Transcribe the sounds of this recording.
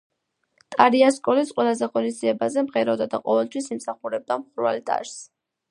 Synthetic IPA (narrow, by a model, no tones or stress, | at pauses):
t̪ʼaɾiaskʼɔlisqʼwɛlˠazɛʁɔnisd̪ziɛbazɛmʁɛɾɛd̪ad̪aqʼɔvɛlˠt̪ʰwisimsaχuɾɛb̚d̪amχuɾvalt̪ʼa̰ɾs